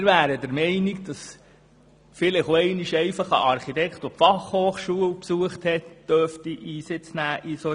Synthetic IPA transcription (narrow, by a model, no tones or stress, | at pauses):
mɪɾvæːɾədɛɾmɛɪniɡd̥ɑs | fɪlɪχoɛɪniʃɛɪfɑχə̰ʔɑɾχit̪ɛktupfɑχhoːχʃuːəlpsuəχthɛtd̥œɾftiʔiːsɪt͡snæːʔiso